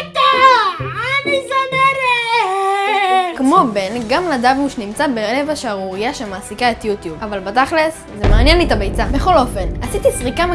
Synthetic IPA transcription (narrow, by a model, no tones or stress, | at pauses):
t̪ | aanisoneɾ | kmo̞be̞nɡamlad̪avnuʃnimt͡sabeelevaʃaʁuʁijaʃemaːsikaetjut̪jubavalbat̪aχles | zemaaːnjenlit̪abejt͡sabe̞χo̞lo̞fe̞nasit̪isʁikam